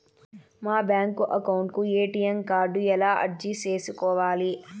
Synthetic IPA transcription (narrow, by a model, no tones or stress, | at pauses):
maːbjaːŋkuʔɐkɐwɳʈkueːʈijemkaːɾɖuɛlaːʔɐ̰ɽd͡ʒit͡ʃeːsukɔːʋaːli